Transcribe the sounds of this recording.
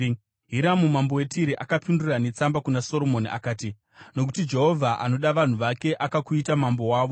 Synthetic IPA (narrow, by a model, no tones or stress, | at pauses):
ɦiɾamumambo̞we̞tʰiɾeʔakapindurane̞t͡sambakunaso̞lo̞moniʔa̰kaːti | no̞k̬utid͡ʒe̞ɦo̞vʱaʔa̰no̞ɗaʋan̤uʋake̞ʔakakuitamambo̞waːʋo̞